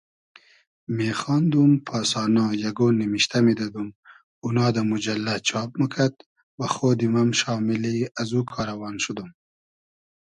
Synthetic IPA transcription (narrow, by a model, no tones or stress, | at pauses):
meːxɑnd̪umpʰɑːsɑːnɑjaɡoːnːimiʃt̪amid̪ɑd̪um | unɑːd̪ɐmud͡ʒalːat͡ʃʰɑːp̚makʰad̪̚ | waxoːd̪imamʃɑːmiliazukʰɑːɾɐwɑːnʃud̪um